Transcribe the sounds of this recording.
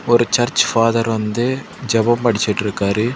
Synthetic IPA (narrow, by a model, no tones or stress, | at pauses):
ɔɾut͡ʃɐɾt͡ʃfaːd̪ɐɾɐnd̪e | d͡ʒɐbɐmpɐɽit͡ʃeʈːiɾikːaːɾi